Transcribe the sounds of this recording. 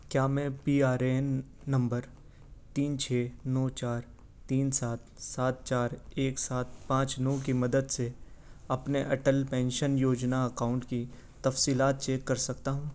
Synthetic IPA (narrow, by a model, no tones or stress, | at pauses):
kjaːmɛ̃piːaːɾenː | ɐ̃mbəɾ | t̪iːnt͡ʃʰeːnɔːt͡ʃaːɾ | t̪iːnsaːt̪̚saːt̪̚t͡ʃaːɾeːksaːt̪̚pãːt͡ʃnɔːk̬imɐd̪əd̪seɐpneʔɐʈəlpɛ̃ːnʃənjoːd͡ʒnaɐkaːʊ̃ɳʈki | t̪ɐfsiːlaːt̪̚t͡ʃeːkːɐɾsɐkt̪aɦũː